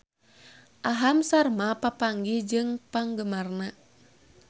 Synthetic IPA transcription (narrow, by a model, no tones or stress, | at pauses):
ʔaɦamsarmapapaŋɡid͡ʒɨŋpaŋɡəmarna